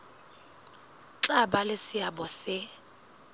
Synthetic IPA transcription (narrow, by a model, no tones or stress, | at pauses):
ǁaɓalesɪaɓɔsɪ